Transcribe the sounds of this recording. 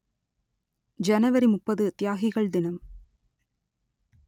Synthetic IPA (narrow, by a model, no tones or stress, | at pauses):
d͡ʒɐnɐʋɐɾimʊpːɐðɯt̪ɪjaːɣɪɣɐɭd̪ɪnɐm